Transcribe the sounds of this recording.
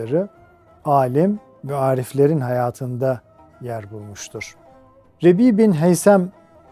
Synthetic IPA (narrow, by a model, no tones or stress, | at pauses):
aɾɯ | aːlʲim | vɛaːɾiflʲeɾinɦajaːt̪ʰɯnd̪a | jæɾbulˠmuʃt̪ʰuɾ̥ | ɾebiːbinɦejsæm